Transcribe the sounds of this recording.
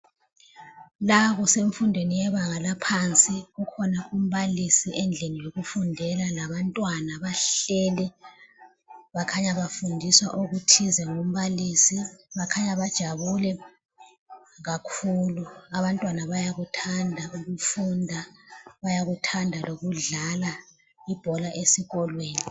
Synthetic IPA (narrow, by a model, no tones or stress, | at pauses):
laβɔseɱfundʱwenijɛβaɣalapʰant͡sʼiɣukʰɔnaʔum̩βalisiʔɛnd͡ɮʱenijoɣufundʱɛlalaβantʼwanaβaɬɛːlɛ | βakʰaɲaβafundʱiswa̰ʔuɣutʰizɛŋom̩βalisiβakʰaɲaβad̥ʒ̥ʱaβulɛ | ɣakʰuluaβantʼwanaβajaɣutʰandʱauɣufundʱaβajaɣutʰandʱaloɣuɮala | ib̥ʱɔlaʔesiɣɔlweːni